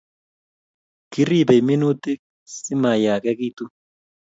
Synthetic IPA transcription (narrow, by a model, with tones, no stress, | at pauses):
kɪ˦ri˦bɐ˨jmɪ˦nuː˦t̪ːɪ˦ | sɪ˦maː˨jaː˨kɐ˦kiː˦t̪u˦